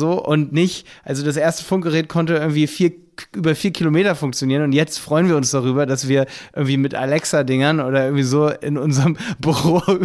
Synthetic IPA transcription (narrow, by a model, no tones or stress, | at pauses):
zoːʔʊntnɪçʔalzodas̬ʔeːɐstə̥fʊŋk̚ɡ̥əʁeːt̚kʰɔntəɪɐɡŋ̩tv̥iːfiːɐ | ʔyːbɐfiːɐkʰilomeːtɐfʊŋk̚t͡sjoniːənʊntjɛt͡stfʁ̥ɔʏənviɐʊnsd̥aʁyːbɐdasv̥iːɐʔɪɐɡŋ̩tv̥iːmɪtʔa̰lɛksadɪŋɐnʔoːdɐʔɪɐɡŋ̩tv̥iːzoːɪ̰nʔʊnzəʁəmbyʁoː